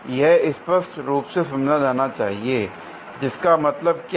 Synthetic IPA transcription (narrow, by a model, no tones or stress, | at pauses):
jɛɦɪspəsʈɾuːpsesɐmnad̪aːnat͡ʃa̰ːɦie | d͡ʒɪskamɐt̪ləb̚kj